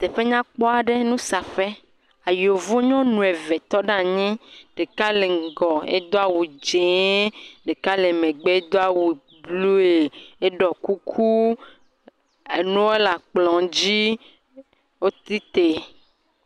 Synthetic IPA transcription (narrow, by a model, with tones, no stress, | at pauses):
t̪ɛ˨ɸe˦ɲã˦k͡pɔ˦a˨ɖe˦nũ˦sa˨ɸe˦ | a˨jo˨vo˦ɲɔ̃˦nũ˨e˨vɛ˨t̪ɔ˦ɖa˦ɲɛ̃˦ɖ̥e˨ka˦le˨ŋ˨ɡɔ˨ḛ˦d̪o˦a˨wu˨d͡ʒẽ˨˦ɖe˨ka˦le˨mẽ˨ɡ͡be˦e˦d̪o˦a˨wu˨ | blu˦e˨e˦ɖɔ˨ku˦kʰu˦ | e˨nũ˦we˦la˨k͡plɔ̃˨d͡ʑi˦ | wo˦t̪ɾi˦t̪e˨